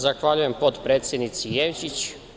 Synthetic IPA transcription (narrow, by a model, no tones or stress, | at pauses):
zaxʋaʎuje̞mpot̪pɾe̞ːt̪sʲjed̪nit̪sijemt͡ɕit͡ɕ